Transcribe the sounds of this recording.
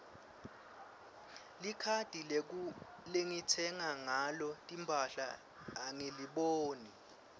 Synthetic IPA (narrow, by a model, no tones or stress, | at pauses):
likʰad̥ʱilek̬u | leŋitʰɛŋaŋalɔtʼimbʱaɬa̰ː | ŋeliɓoːni